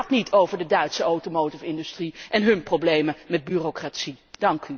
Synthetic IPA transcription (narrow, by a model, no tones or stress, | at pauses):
ɑtnitʰowvəɹdədœɥtsəowtomowtɪfɪndystriʔɛnɦɵnprowblejməmɛd̚byːrokratsid̥ɑŋky